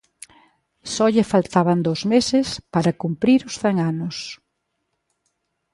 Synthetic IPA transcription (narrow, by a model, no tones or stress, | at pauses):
sɔʎɪfalt̪aβand̪owzmesɪspaɾɐkumpɾiɾʊsθɛŋanʊs